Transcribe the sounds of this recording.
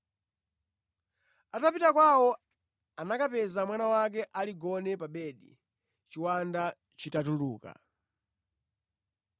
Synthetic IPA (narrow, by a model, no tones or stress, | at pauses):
atapitakwawɔ | anakapɛzamwanawak̬ɛʔaliɡɔnɛpaɓɛɗḭ | t͡ʃiwanda | t͡ʃitatuluːka̰